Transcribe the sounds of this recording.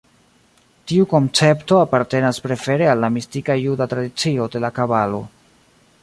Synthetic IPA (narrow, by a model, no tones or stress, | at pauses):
tiuko̞nt͡se̞pto̞apaɾte̞naspɾe̞fe̞ɾe̞alːamistikajudatɾadit͡sio̞de̞lakaβalo̞̰